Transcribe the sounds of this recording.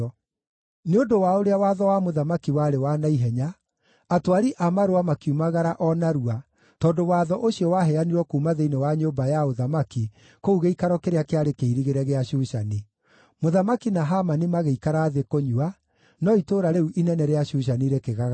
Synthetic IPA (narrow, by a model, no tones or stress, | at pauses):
neodowaoɾeawaːðɔwamoðamakiwaɾewanaiɦɛɲa | atwaɾiʔamaɾoamakiumaɣaɾaʔɔnaɾua | tɔːdowaːðɔʔoɕijɔwaɦɛaniɾwɔkuːmaðeinewaɲoːmbajaoðamaki | kouɣeikaɾɔkeɾeakeaɾekeiɾiɣeɾɛɣeaɕuʃani | moðamakinaɦamanimaɣeikaɾaðekoɲua | nɔitoːɾaɾeuʔinɛnɛɾeaɕuːʃ̬aniːɾekeɣaɣ